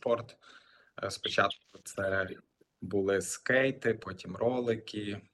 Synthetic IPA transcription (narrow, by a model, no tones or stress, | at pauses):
pɔrt̪ | spɔt͡ʃɑt̪̚kʊt̪sɛ | bʊlˠɪskɛjt̪ɪpɔtʲimrɔlˠɪkʲi